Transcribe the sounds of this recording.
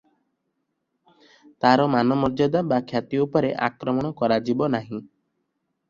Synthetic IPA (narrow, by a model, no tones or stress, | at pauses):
t̪aɾɔmanɔmɔɾd͡ʒɔd̪abakʰjat̪iupɔɾeʔa̰kɾɔmɔɽ̃ɔkɔɾad͡ʒibɔnaɦĩ